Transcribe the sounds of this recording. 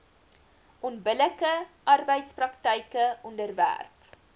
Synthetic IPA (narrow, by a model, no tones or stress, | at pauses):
ʔɔnbələkəʔɐrbəjtsprɐktəjkəɔndərvæ̰rp